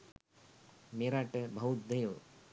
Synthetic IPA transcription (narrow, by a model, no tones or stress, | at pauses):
meɾaʈɐbʱɐut̪̚d̪ɐjoː